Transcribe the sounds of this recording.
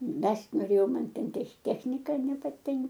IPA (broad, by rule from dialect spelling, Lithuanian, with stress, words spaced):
ˈmʲɛsʲtʲ noːˈrʲeːjɛʊ ˈmɐn ˈtʲɛn tʲɛx ˈtʲæːxʲnʲɪkɐ nʲɛpɐˈtʲɪŋk